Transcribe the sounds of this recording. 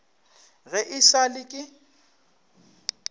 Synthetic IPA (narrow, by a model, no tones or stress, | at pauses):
ɣɛʔɪsalɪkʼɪ